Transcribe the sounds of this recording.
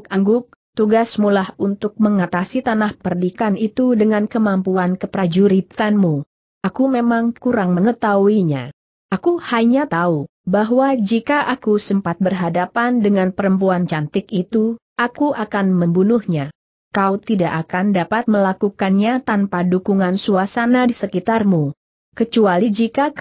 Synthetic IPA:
kaŋɡʊk̚ | t̪uɡasmulahunt̪ʊk̚məŋat̪asit̪anahpərdikanit̪udəŋankəmampuankəpɾad͡ʒuɾit̪anmu | ʔakumemaŋkuɾaŋməŋət̪auiɲa̰ | ʔakuhajɲat̪au | baɦwad͡ʒikaʔakusəmpat̪̚bərɦadapandəŋanpəɾəmpuant͡ʃant̪ɪkit̪uʔakuʔakanməmbunuhɲa | kawt̪idaʔakandapat̪̚məlakukanɲat̪anpadukuŋansuasanadisəkit̪armu | kət͡ʃualid͡ʒika

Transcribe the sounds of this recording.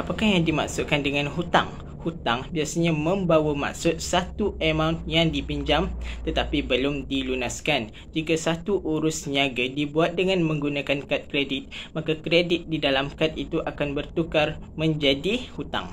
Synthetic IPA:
ʔapakahjaŋdima̰ksʊʔkandəŋãnɦut̪a̰ŋ | hut̪aŋbiasaɲamə̃mbawama̰k̚sʊt̪̚sat̪uəmãwnt̪̚jaŋdipiɲd͡ʒamt̪ət̪apibəlʊmdilunaskan | d͡ʒikasat̪uʔuɾʊsɲaɡadibuat̪̚dəŋãnmə̃ŋɡunakankat̪̚kɾedɪt̪̚makakɾedɪt̪̚didalamkat̪̚it̪uʔakanbərt̪ukarmə̃ɲd͡ʒadihut̪a̰ŋ

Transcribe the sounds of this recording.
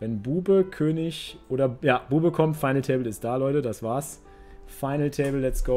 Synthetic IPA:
vɛnbuːbəkʰøːnɪçʔoːdɐjaːb̥uːbəkʰɔmtfaɪnl̩tʰeːbl̩ɪst̚d̥aːlɔʏtədasv̥aːɐs | faɪnl̩tʰeɪbl̩ːɛtsɡ̥o

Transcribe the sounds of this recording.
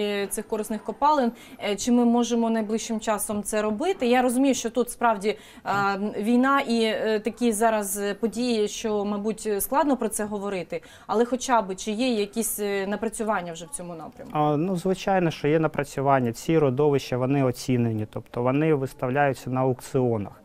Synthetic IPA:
t̪sɪxkɔɾɪsnɪxkɔpɑlˠɪn | t͡ʃɪmɪmɔʒemɔnɐjblˠɪʃʃɪmt͡ʃɑsɔmt̪sɛɾɔbɪt̪ɪjaɾɔzʊmʲijʊʃt͡ʃɔt̪ut̪spɾɑwdʲi | ʋʲijnɑʔit̪ɐkʲizɑɾɐzpɔdʲijiʃt͡ʃɔmɐjbutʲsklˠɑd̪nɔpɾɔt̪sɛɦɔʋɔɾɪt̪ɪ | ɐlˠɛxɔt͡ʃɑbɪt͡ʃɪjɛjɐkʲisʲnɐpɾɐt͡sʲʊʋɑnʲːɐwʒɛwt͡sʲɔmʊnɑ̰pɾʲɐ̰mnuzʋɪt͡ʃɑjnɔʃt͡ʃɔjɛnɐpɾɐt͡sʲʊʋɑnʲːɐt͡sʲiɾɔd̪ɔʋɪʃɐʋɔnɪɔt͡sʲinenʲit̪ɔpt̪ɔʋɔnɪʋɪst̪ɐwlʲajʊt͡sʲːɐnɐʊkt̪sɪɔnɐ̰x

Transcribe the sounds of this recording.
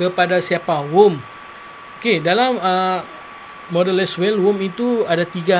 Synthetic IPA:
kəpadasiapawum | okedalamə | ɔdəlɛswɛlwʊmit̪uadat̪iɡa

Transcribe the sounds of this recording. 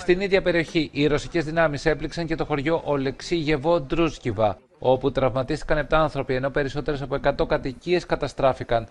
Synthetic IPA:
st̪iniðʝɐpe̞ɾio̞çiʔiɾo̞si̥ce̞zðinɐmise̞pliksɐɲce̞t̪o̞xo̞ɾʝo̞ʔole̞ksiʝe̞vo̞d̪ɾuscivɐ | o̞put̪ɾɐvmɐt̪ist̪i̥kɐnep̚t̪ɐɐnθɾo̞pie̞no̞pe̞ɾiso̞t̪e̞ɾes̬ɐpoe̞kɐt̪o̞kɐt̪icie̞skɐt̪ɐst̪ɾɐfikɐn

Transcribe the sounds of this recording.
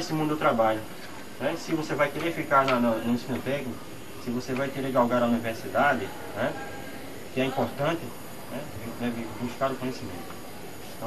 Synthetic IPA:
esɪmũd̪ʊd̪ʊt̪ɾabaʎʊ | nɛsɪvosevajkeɾefikaɾnɐnɐnũsĩnʊt̪ɛknʊ | sɪvosevajkeɾeɡawɡaɾauniveɾsid̪ad̪ɪ | nɛ | kɪɛĩpoɾt̪ɐ̃nt̪ɪ | nɛvnɛvɪbuʃkaɾʊkõjesimḛ̃nt̪ʊ̥̃ | t̪ɐ̃

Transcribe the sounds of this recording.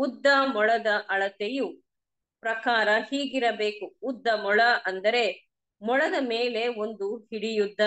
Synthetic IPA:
ud̪ːɐmɔɭɐd̪ɐʔɐɭɐt̪eju | pɾɐkaːɾɐhiːɡiɾɐbe̞ːkuːd̪ːɐmɔɭɐʔɐnd̪ɐɾe̞ | mɔɭɐd̪ɐmeːle̞o̞nd̪uhiɽijud̪ːɐ

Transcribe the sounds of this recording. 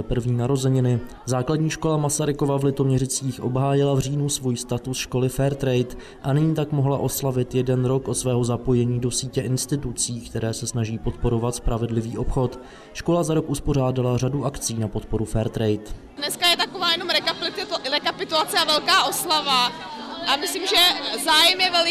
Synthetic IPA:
ɛpr̩vɲiːnaɾo̞zɛɲɪnɪ | zaːkladɲiːʃko̞lamasaɾɪkovavlɪt̪o̞mɲɛɾɪt͡siːxʔo̞̰bɦaːjɪlavr̝iːnusvujst̪at̪usʃko̞lɪfɛɾt̪ɾɛjt̪ | ʔanɪɲiːt̪akmo̞ɦlaʔo̞slavɪt̪jɛdɛnɾo̞kʔot̪svɛːɦo̞zapo̞jɛɲiːdo̞siːcɛʔɪnst̪ɪt̪ut͡siːkt̪ɛɾɛːsɛsnaʒiːpo̞t̪po̞ɾo̞vat̪spɾʔavɛdlɪviːʔo̞pxo̞t̪ | ʃko̞lazaɾo̞kʔuspo̞r̝aːdalaraduʔakt͡siːnapo̞t̪po̞ɾufɛɾt̪ɾɛjt̪ | dnɛskajɛt̪akovaːjɛnomɾɛkaɾɛkapɪt̪ulat͡sɛavɛlkaːʔo̞slava | ʔamɪslimʒɛzaːjɛmjɛvɛl

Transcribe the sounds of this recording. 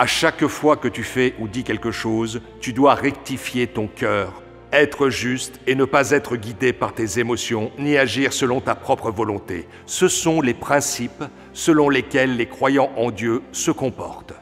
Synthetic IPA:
aʃakfwakət̪yfɛʔud̪ikʲɛlkəʃoz | t̪yd̪waʁɛk̚t̪ifjet̪ɔ̃kʲœːʁ | ɛt̪χəʒyst̪enəpazɛt̪χəɡʲid̪epaʁt̪ezemɔsjɔ̃niaʒiʁsəlɔ̃t̪apχɔpχəvɔlɔ̃t̪ḛ | səsɔ̃lepχɛ̃sip | səlɔ̃lekʲɛlːekχwajɑ̃ʔɑ̃d̪jøsəkɔ̃pɔ̰ʁt̪

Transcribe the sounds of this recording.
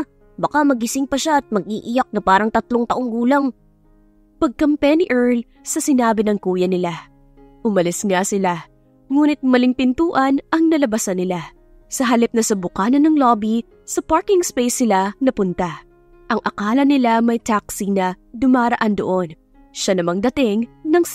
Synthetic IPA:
bɐkamɐɡɪsɪŋpɐʃaɐt̪̚mɐɡ̚ʔiʔɪjak̚nɐpaːɾɐŋt̪ɐt̪loŋt̪ɐʔoŋɡuːlɐŋ | pɐɡ̚kɐmpɛniʔɛɹl | sɐsɪnaːbɪnɐŋkuːjɐnɪla | ʔʊmɐlɪsnasɪla | ŋuːnɪt̪̚mɐlɪŋpɪnt̪uːʔɐnʔɐŋnɐlɐbɐsɐnɪla | sɐɦɐlɪp̚nɐsɐbʊkaːnɐnɐŋloːbi | sɐpaɹkɪŋspejsɪlanɐpʊnt̪a | ʔɐŋʔɐkaːlɐnɪlamɐjt̪aksinɐ | d̪ʊmaːɾɐʔand̪oʔo̞n | ʃanɐmɐŋd̪ɐt̪ɪŋnɐŋ

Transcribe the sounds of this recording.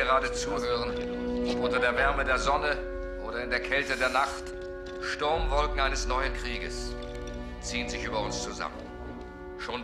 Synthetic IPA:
əʁaːdət͡suːɦøːʁən | ʔɔpʔʊntɐdeːɐvɛɐmədeːɐzɔnə | ʔoːɾɐɪndeːɐkʰɛltədeːɐnaχt | ʃtʊɐmvɔlkŋ̩aɪnəsnɔʏənkʁ̥iːɡə̰s | t͡siːənzɪçʔyːbɐʊnst͡suza̰mən | ʃoːn

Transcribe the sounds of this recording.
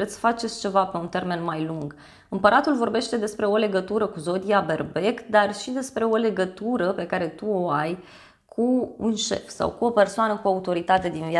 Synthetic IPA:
et̪ssə̥fat͡ʃe̞t̪sʲt͡ʃe̞vape̞unt̪erme̞nmajluŋɡ | ɨmpəɾʔat̪ulvo̞rbe̞ʃt̪e̞d̪e̞spɾe̞o̞le̞ɡət̪uɾəkuzo̞d̪ijabe̞rbe̞kd̪arʃid̪e̞spɾe̞o̞le̞ɡət̪uɾəpe̞kaɾe̞t̪uo̞aj | kʰuunʃe̞̰fsa̰wkuo̞pe̞rsoanəkuaut̪o̞ɾit̪at̪e̞d̪invia

